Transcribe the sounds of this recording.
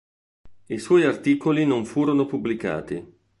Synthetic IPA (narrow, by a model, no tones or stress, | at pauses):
iswɔjart̪iːkolinoɱfuːɾonopubːlika̰ːt̪ḭ